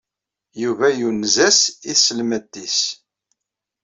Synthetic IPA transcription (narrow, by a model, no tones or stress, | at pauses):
juvæjunzæsiθsəlmæd̪ːis